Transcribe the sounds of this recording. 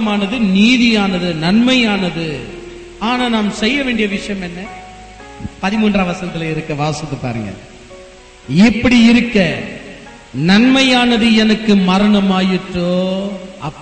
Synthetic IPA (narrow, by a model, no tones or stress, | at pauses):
maːnɐðɯniːðɪjaːnɐðɯnɐnmɐjaːnɐðɯ | aːnaːnaːmsɛjːɐʋeːɳɖɪjɐʋɪʂɐjɐmɛnːɐ | pɐðɪmuːndraːʋɐsɐnɐt̪ːɪleɪɾɯkːɐʋaːsɪt̪ːɯpa̰ːɾɯŋɡɐ̰ | ɪpːɐɽiɪɾɯkːɐ | nɐnmɐjaːnɐðɯɛnɐkːɯmɐɾɐɳɐmaːjɪʈrːoːɐpː